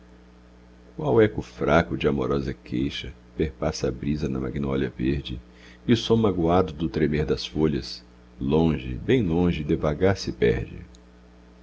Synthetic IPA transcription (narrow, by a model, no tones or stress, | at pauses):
kʊawɛkʊfɾakʊd͡ʒɪamoɾɔzɐkʰejʃɐ | peɾpasɐbɾizɐnɐma̰ɡinɔʎɐveɾd͡ʒɪ̰ | ɪʊsõmaɡwad̪ʊd̪ʊt̪ɾemeɾd̪ɐsfoʎɐs | lõʒɪ̰bẽj̃lõʒɪd̪evaɡaɾsɪpɛ̰ɾd͡ʒɪ̰